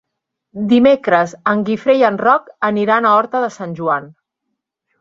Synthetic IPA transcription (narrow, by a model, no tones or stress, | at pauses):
d̪imekɾəzəŋɡifɾejənrɔkəniɾanaɔɾt̪əðəsanʲʒuan